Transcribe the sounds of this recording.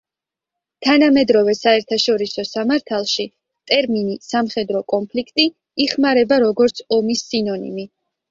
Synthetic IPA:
t̪ʰanamɛd̪ɾɔvɛsaɛɾt̪ʰaʃɔɾisɔsamaɾt̪ʰalˠʃi | t̪ʼɛɾminisamχɛd̪ɾɔkʼɔnpʰlikʰt̪ʼiː | χmaɾɛbaɾɔɡɔɾt̪sʰɔmisːinɔnḭmi

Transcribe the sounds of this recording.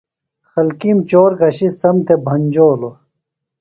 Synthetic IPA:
xɐlkimt͡ɕoːɾɡɐɕisɐmt̪ʰebʱɐnʲd͡ʑoːlo

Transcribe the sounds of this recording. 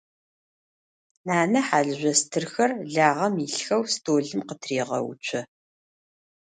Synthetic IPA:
naːnɐħaːɮɨʑʷɐstʰɨrxɐrɮaːʁɐmiɬxɐwstʰoːɮɨmqətʰriːʁɐ̰w̰t͡ʃʷʰɐ

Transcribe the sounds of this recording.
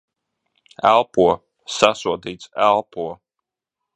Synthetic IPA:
ælˠpuɔ | sasuɔd̪iːt̪sælˠpuɔ

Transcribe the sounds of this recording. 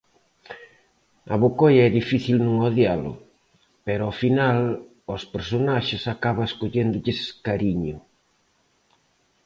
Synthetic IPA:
ɐ̰βokojɐɛðifiθilnũŋoðjalʊ̰ | peɾoafinal | ospeɾsonaʃɪsakaβaeskoʎend̪ʊʎɪskaɾiɲʊ

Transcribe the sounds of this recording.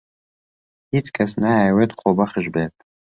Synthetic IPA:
it͡sʰʼkʰʼasnawɛt̪ʼχʷɔbaχəʒbetʼ

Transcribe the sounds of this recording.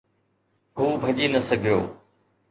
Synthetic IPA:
ɦuːbʱəʄiːnəsəɡʱijo̰ː

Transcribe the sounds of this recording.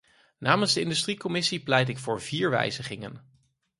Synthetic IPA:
naːmənzdəɪndystrikɔmɪsiplɛjtɪkfʊːɹviːɹʋɛ̰jzəχɪŋə̰n

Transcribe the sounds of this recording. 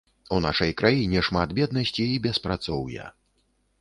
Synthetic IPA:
unaʂɐjkɾʔajinʲɛʂmat̪bʲɛd̪nɐsʲt͡sʲiːbʲɛspɾat̪sɔwjɐ̰

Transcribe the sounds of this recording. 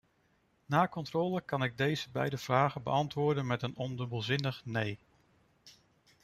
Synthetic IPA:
naːkɔntrɔːləkɑnɪɡ̚dejzəbɛ̰jdəv̥raːχəbə̰ɑntʋʊːɹdənmɛtənɔndɵbəlˠzɪnəχnej

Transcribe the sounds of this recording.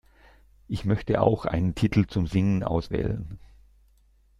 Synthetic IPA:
ʔɪçmœçtəʔa̰ʊxʔa̰ɪnəntʰitʰl̩t͡sʊmzɪŋənʔa̰ʊsv̥ɛ̰ːlə̰n

